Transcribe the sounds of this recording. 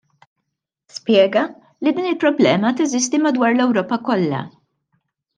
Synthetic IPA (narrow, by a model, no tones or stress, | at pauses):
spjɛːɡɐ | lid̪iːnɪlpɾɔblɛːmɐt̪ɛzɪst̪imɐd̪wɐːɾlɛwɾɔːpɐkɔlːɐ̰